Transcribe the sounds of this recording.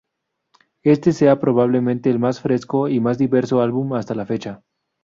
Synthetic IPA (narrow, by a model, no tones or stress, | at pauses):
e̞st̪e̞se̞apɾo̞βaβ̞le̞mẽnt̪e̞ːlmasfɾe̞sko̞imazd̪iβe̞ɾso̞alβumast̪alafe̞t͡ʃa